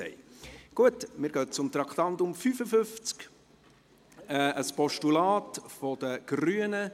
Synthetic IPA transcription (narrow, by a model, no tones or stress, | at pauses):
ɛ̰ɡ̥uətmɪːɾɡ̥œːt͡sʊmt̪ɾɑkχt̪ɑnt̪ʊmfyfəfʏft͡sk | ɛʔəspɔʃtulɑːtfod̥̪əɡ̥ryːənə